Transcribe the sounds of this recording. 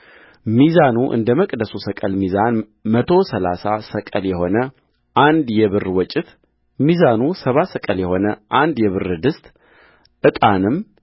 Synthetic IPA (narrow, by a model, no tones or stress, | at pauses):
mizanuʔɨ̰nd̪əməkʼd̪əsusəkʼəlmizan | mət̪ʰo̞səlasasəkʼəljɛho̞nə | ʔand̪jɛβɨrwɔt͡ʃʼɪt̪ | mizanusəβasəkʼəljɛho̞nəʔand̪jɛβɨrːɨd̪ɨst̪ʼ | ʔɨt̪ʼanɨm